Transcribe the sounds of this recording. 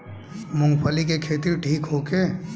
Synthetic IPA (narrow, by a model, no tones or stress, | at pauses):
mʊ̃ŋɡpʰəlik̬ekʰeːt̪iɾʈʰiːkɦokeː